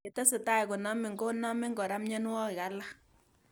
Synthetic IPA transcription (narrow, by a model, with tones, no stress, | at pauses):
ɛ˨˦tɛ˦sɪ˨ta˦jkʊ˨na˦mɪ˨ŋɡo˦na˦mɪ˦ŋɡɔ˨ɾa˦mɲɛ˦n˦wɔ˦kɪ˨a˦la˦